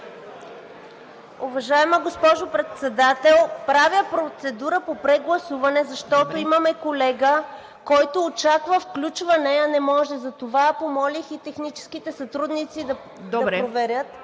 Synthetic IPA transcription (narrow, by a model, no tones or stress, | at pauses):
uvɐʒaɛməɡospɔʒopɾɛt̪sɛd̪at̪ɛlˠpɾavjəpɾot̪sɛd̪uɾəpopɾɛɡlˠɐsuvɐnɛzɐʃt̪ɔt̪oimɐmɛkolɛɡə | kɔjt̪oːt͡ʃakvəfklʲut͡ʃvɐnɛɐnɛmɔʒɛzɐt̪ovapomɔlʲixit̪ɛxnit͡ʃɛ̥sk̟it̪ɛsɐt̪ɾud̪nit̪sid̪ɐ | dd̪ɐɾɛpɾovɛɾʲjət̪